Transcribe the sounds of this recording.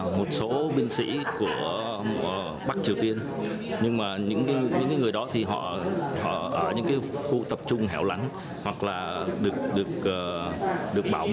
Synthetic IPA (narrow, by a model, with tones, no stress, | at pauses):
mo˨˩t̚so˨˦ɓï˧ŋ̟sḭ˧˥ku˧˩ə˨˩ | ɓa˦˥k̚t͡ɕi˨˩əwt̪i˧ən | ɲɨ˧ŋmaː˨˩ɲɨ̰˧˥ŋkaː˨˦˧ɲɨ̰˧˥ŋkaː˨˦jŋɨ˨˩əjɗɔ˨˦t̪ʰi˨˩ɦɔ̰˧˨hɔ̰˧˨ʔəː˧˩ɲɨ̰˧˥ŋkaː˨˦jfu˧t̪ə˨˩p̚t͡ɕʊ˧ŋ͡mɦɛ˧˩wla˨˦jŋ̟ | hwa˨˩k̚laː˨˩ɗɨ˨˩ək̚ɗɨ˨˩ək̚ʔːɗɨ˨˩ək̚ɓaː˧˩w